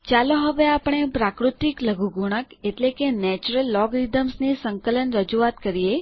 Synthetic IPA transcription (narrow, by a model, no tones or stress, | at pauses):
t͡ʃaloɦəʋeapəɳ̃epɾakɾut̪ikləɡʱuɡuɽ̃əkeʈlekenɛt͡ʃuɾəlːɔɡɾid̪əmsnisəŋkələnɾəd͡ʒuat̪kəɾije